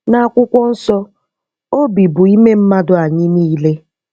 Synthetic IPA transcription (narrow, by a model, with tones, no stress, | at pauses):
na˨a˨kʷʊ˦kʷɔ˦n̩˦sɔ˦ | o˦bi˨bʊ˨i˦me˦m̩˦ma˦dʊ˨a˨ɲɪ˦niː˦le˦